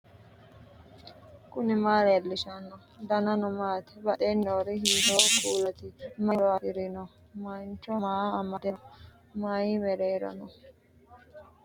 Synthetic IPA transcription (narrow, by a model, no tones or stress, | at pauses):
kʊnɪmaːɾelːɪʃɐnːɔ | d̪ɐnɐnɔmaːt̪ɛ̥bɐɗenːoːɾɛhiːt̪okʼuːlɐt̪ɪmɐɾaːʔɪɾɪnɔ | mɐnt͡ʃːɔmaːmɐd̪ɛn | maːjimɛɾeːɾɐ̰nɔ